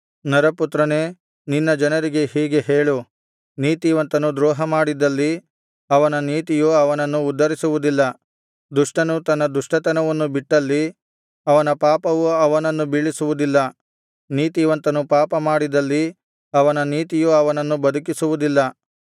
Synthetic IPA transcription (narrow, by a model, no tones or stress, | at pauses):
nɐɾɐput̪ɾɐne̞ː | ninːɐd͡ʒɐnɐɾiɡe̞hiːɡe̞ɦeːɭu | niːt̪iʋɐnt̪ɐnud̪ɾɔːɦɐmaːɽid̪ɐlːi | ɐʋɐnɐniːt̪ijuɐʋɐnɐnːuːd̪ːɐɾisuʋud̪ilːɐ | d̪uʂʈɐnut̪ɐnːɐd̪uʂʈɐt̪ɐnɐʋɐnːubiʈːɐlːi | ɐʋɐnɐpaːpɐʋuɐʋɐnɐnːubiɭisuʋud̪ilːɐ | niːt̪iʋɐnt̪ɐnupaːpɐmaːɽid̪ɐlːi | ɐʋɐnɐniːt̪ijuɐʋɐnɐnːubɐd̪ʱukisuʋud̪ilːɐ